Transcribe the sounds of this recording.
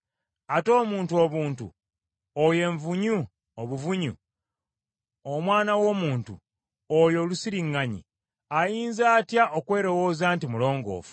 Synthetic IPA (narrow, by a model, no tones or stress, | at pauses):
ato̞ːmuːntuo̞βuːntṵ | oje̞ːɱvuɲu | oβuvuɲṵ | omwaːnawo̞ːmuːntṵ | ojo̞ːlusiɾiŋːaɲḭ | ajiːnzaːtjaʔokwe̞ːɾo̞wo̞ːzaːntimulo̞ːŋɡo̞̰ːfu̥